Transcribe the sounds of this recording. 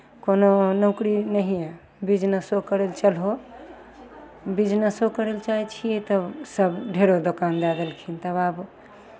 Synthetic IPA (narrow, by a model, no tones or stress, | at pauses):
kononə̃kɾinəɦije | bid͡ʒnəsokəɾelt͡ʃəlɦo | bid͡ʒnəsokəɾelt͡ʃait͡ʃʰijet̪əsəbɖʱeɾod̪okand̪ɛd̪əlkʰint̪əβab